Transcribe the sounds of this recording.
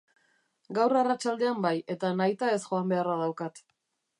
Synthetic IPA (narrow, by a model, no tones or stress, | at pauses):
ɡawrarat͡ʃald̪e̞ambaje̞t̪anajt̪ae̞sʝo̞ambe̞araðawkat̪